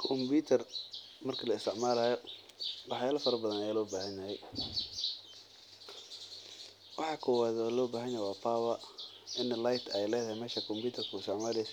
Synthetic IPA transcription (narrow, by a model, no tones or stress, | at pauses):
kʰɔmbuːt̪ʰɐrmɐrkʰɐlɐɪst̪ʰɪʕmaːlɐjɔ | wɑħjaːlɐfɐɾɐbɐðɐnɐjaːlɔːbaːɦɐnjahɛj | wɑħɑːkʰɔwaːðɔlɔːbaːɦɐnjajɛjwaːpʰaːwɐ | ɪnlajt̪ʰɛjlɛːðɐhɛmɛːʃɐkʰɔmbjuːt̪ʰɐrkʰuɪst̪ʰɪʕmaːlɛjs